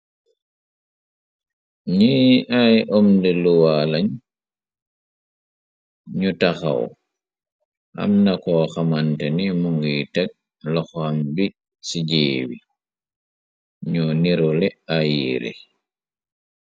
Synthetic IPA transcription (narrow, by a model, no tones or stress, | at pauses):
ɲiːajʔɔmndɛluwalaɲ | ɲutaxa̰wɔ̰ | ʔa̰mnakɔxamantɛnimuŋɡijtak̚ | lɔxambi | sid͡ʒeːwi | ɲuniɾɔlɛajiːɾɛ̰